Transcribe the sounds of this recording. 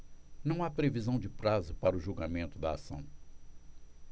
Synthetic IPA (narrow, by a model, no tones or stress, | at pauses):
nɐ̃w̃apɾevizɐ̃w̃d͡ʒɪpɾazʊpaɾɐʊʒuɡamẽnt̪ʊd̪ɐasɐ̰̃w̃